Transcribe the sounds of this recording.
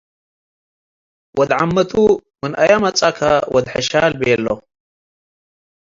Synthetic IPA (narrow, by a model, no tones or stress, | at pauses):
wʔɔd̪ʕamːɐt̪ʰumɨnɐjamɐt͡sʼakʰɐwɔd̪ħɨʃalbɛlːo